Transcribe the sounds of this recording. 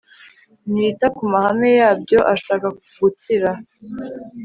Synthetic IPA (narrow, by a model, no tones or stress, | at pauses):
nitakumahame̞jaːbjo̞ʔaʃaːkakufutiɾa